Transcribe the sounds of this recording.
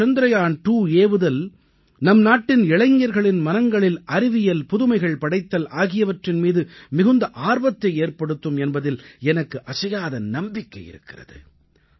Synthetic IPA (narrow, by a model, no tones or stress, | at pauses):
t͡ʃɐnd̪ɪɾɐjaːnʈuːeːʋɯðɐl | nɐmnaːʈːɪnɪɭɐŋjɐɾɣɐɭɪnmɐnɐŋɡɐɭɪlɐɾɪʋɪjɐlpʊðɯmɐɪɣɐɭpɐɽɐɪt̪ːɐlaːɣɪjɐʋɐʈrɪnmiːðɯmɪɣɯnd̪ɐʔaːɾʋɐt̪ːɐɪeːɾpɐɽɯt̪ːɯmɛnbɐðɪlɛnɐkːɯʔɐsɐjaːðɐnɐmbɪkːɐɪjɪ̰ɾɯ̰kːɪrɐ̰ðɯ̰